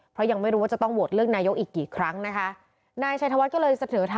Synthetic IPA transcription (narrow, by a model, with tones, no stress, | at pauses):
pʰɾɔ˦˥ja˧ŋma˥˩jɾu˦aː˥˩t͡ɕa˨˩t̪ɔ˥˩ŋwu˨˩t̪̚ɾɯ˥˩ək̚naː˧jo˦˥kʔiː˨˩kːiː˨˩kʰɾa˦˥ŋna˦˥kʰa˦˥ʔ | naː˧jt͡ɕʰa˧t̪ʰa˧wa˦˥kɔː˥˩lɤː˧jsa˧nɤː˩˦t̪ʰa˧